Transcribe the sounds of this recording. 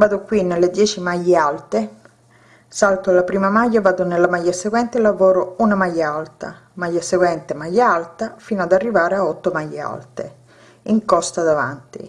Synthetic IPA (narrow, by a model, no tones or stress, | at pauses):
vaːd̪okwinːelːed̪jɛːt͡ʃimajːealt̪e | salt̪oalːapɾiːmamajːavaːd̪onelːamajːaseɡwɛnt̪elːavoːɾounamajːaalt̪a̰ | majːaseɡwɛnt̪emajːaalt̪afiːnoad̪arːivaːɾeaɔt̪ːomajːea̰lt̪ḛ | iŋkɔst̪ad̪ava̰nt̪ḭ